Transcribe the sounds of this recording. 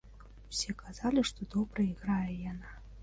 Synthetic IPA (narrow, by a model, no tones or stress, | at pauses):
wsʲɛkazalʲiʂt̪ɔd̪ɔbɾɐiɣɾajɛjana